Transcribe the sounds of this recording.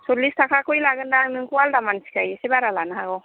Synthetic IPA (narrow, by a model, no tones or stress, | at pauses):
sɔlistʰakʰakʰujlaɡɯndaŋnɯŋkualdamansi̥kajsibaɾalanaɦaɡɔ